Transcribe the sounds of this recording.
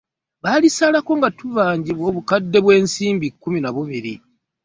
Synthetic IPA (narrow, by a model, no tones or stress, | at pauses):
βalisalako̞ŋɡatuvaːɲɟiβwo̞ːβukadːe̞βwe̞ːnsiːmbikːuminaβuβiɾḭ